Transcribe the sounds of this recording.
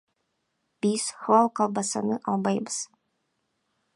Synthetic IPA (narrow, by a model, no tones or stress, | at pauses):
b̥iz̥hɑlˠqɑlˠbɑsɑ̰nɯʔɑlˠbɑjbɯz